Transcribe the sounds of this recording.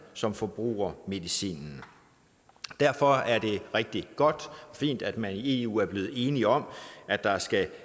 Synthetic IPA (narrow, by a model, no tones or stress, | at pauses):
sɒ̽mfɒ̽b̥ʁṵːɐme̝ðˠisḭːnn̩ | d̥æɐ̰fɒ̽æɐd̥e̝ʁeɡ̥̚d̥iɡ̥ɒ̽d̥ɒ̽fḭːnd̥æd̥mænie̝̰ṵːæɐb̥le̝ːð̞̩ˠe̝ːniɒ̽mæ̥ɑ̈sɡ̥æ